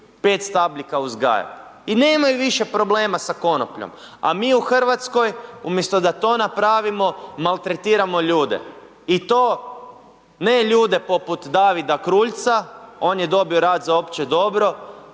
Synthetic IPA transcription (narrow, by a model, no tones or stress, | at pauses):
pe̞ːt̪st̪ablikauzɡa̰ːjo̰ineːmajuʋiʃe̞pɾo̞ble̞ːmasako̞no̰pʎo̰m | a̰miːuxr̩ʋat̪sko̞jumjest̪od̪at̪o̞ːnapɾaːʋimo̞malt̪ɾet̪iːɾamo̞ʎuːd̪ḛ | it̪o̞ː | neːʎuːd̪e̞po̞put̪d̪aːʋid̪akɾuːʎt̪sao̞ːnjed̪o̞bio̞ɾaːd̪zaopt͡ɕed̪o̞bɾo̞